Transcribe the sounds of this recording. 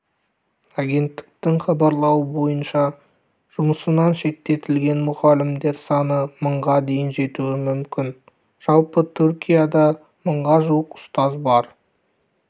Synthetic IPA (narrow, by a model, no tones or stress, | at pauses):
aɡʲe̞nt̪ːɪ̥k̚t̪ɪŋχɑbɑɾlˠɑwəbo̞jənʃɑ | ʒ̥ʊməsənɑnʃe̞k̚t̪e̞t̪ɪlɡʲe̞nmʊʁɑlɪmd̪e̞ɾsɑnəməɴʁɑd̪e̞jɪnʒe̞t̪uɪmʏmkʲʰɪn | ʒ̥ɑlˠpət̪ʰʏɾkʲijad̪ɑ | məɴʁɑʒuwəqʊ̥st̪ɑzbɑɾ